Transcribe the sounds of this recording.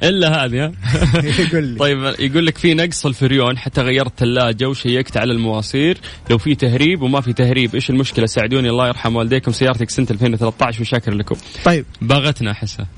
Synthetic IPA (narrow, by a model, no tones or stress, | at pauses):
ʔɪlːaɦaːðia | ɡuːltˤɑjːɪbjaɡuːlːakfinɑɡsˤɪlfɪɾjoːnħat̪ːaɣajːɑɾˤt̪ɪlːaːd͡ʒawʃajːakt̪ʕalalmawɑːsˤiːɾ | lawfit̪aɦɾiːbwmafit̪ahɾiːbʔeːʃɪlmʊʃkɪlasaːʕɪd̪uːniɑlˤːɑːjɑɾˤħamwald̪eːkʊmsajːɑːɾˤt̪aksɪnt̪ʔalfeːnwɪθalat̪ːaːʕɪʃwɪʃaːkɪɾlakʊ̰mtˤɑjːbaːɣat̪naħɪsːa̰